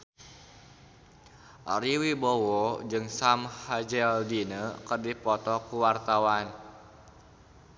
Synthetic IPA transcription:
ʔaɾiwibɔwɔd͡ʒɨŋsamhad͡ʒɛldinəkərdipɔt̪ɔkuwart̪awan

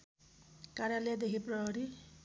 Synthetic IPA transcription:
kaɾjalejad̪ekʰiprʌɦʌɾi

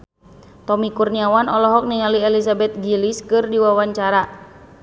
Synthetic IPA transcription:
t̪ɔmikurniawanɔlɔɦɔk̚niŋaliɛlisabɛt̪̚ɡiliskɨrdiwawaɲt͡ʃaɾa

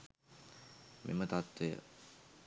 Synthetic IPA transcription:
mʔḛmət̪at̪ʋejə̰

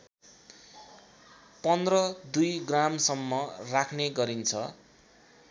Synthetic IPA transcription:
pʌnd̪rʌd̪ujɡramsʌmːʌrakʰneɡʌɾint͡sʰʌ

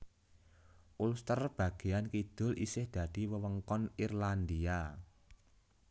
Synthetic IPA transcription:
ʔulst̪ərb̥ä̤ɡ̥e̤ankid̪̥ʊ̤lḭsɪhd̪̥a̤d̪̥i̤wəwəŋkɔnirland̪ia

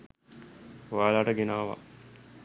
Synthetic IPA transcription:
ʋaːlaʈəɡenaːʋa̰

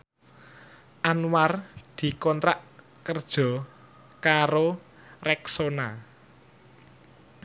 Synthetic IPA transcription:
ʔanward̪̥i̤kɔnt̪ɾaʔ | kərd̥ʒ̥ɔ̤ | kaɾo | rɛksona

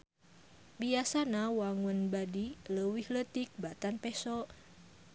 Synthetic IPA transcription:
biasanawaŋənbadiləwihlət̪ik̚bat̪anpɛsɔ

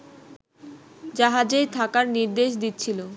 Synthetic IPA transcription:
d͡ʑaɦad͡ʑejt̪ʰakaɾniɾd̪eʃ̬d̪it̪ːt͡ɕʰilo

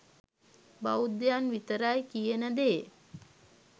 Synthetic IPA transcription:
baud̪janʋit̪əɾajkijənəd̪eː

